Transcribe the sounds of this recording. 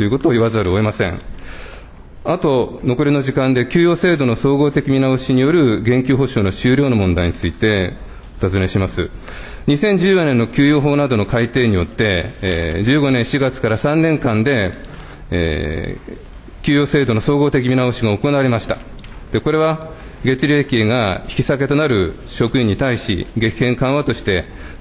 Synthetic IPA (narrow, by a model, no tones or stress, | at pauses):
t̪ojɯ̟ko̞t̪o̞ːiβazaɾɯ̟o̞emasẽ̞̰ŋ | at̪o̞no̞ko̞ɾʲino̞ʑikãnd̪e̞kʲɨːjo̞ːse̞ːd̪o̞no̞so̞ːɡo̞ːt̪e̞kʲimʲinaoɕiɲ̟ijo̞ɾɯ̟ɡẽ̞ŋkʲɨːɦo̞ɕoːnoɕɨːɾʲo̞ːnomõ̞nd̪aiɲ̟it͡sɨit̪e̞ | ot̪azɨme̞ɕimasɨ̰ | ɲ̟isẽ̞ɲ̟d͡ʑɨːjane̞nːo̞kʲɨːjo̞ːɦo̞ːnad̪o̞no̞kait̪e̞ːɲ̟ijo̞t̪ːe̞ | d͡ʑɨːɡo̞nẽ̞ɰ̃ɕiɡat͡sɨ̥kaɾasãnːẽ̞ŋkãnd̪e̞̰ | kʲɨːjo̞ːse̞ːd̪o̞no̞so̞ːɡo̞ːt̪e̞k̬ʲimʲinaoɕiɡaoko̞naβaɾe̞maɕi̥t̪a | d̪̥e̞ko̞ɾe̞β̞a | ɡe̞t͡siɾʲe̞ːkʲiːɡaçi̥kʲi̥sake̞t̪o̞naɾɯ̟ | ɕo̞kɯ̟ĩɲ̟ːit̪aiɕḭɡe̞kʲihẽ̞ŋkãɰ̃βat̪o̞ɕi̥t̪e̞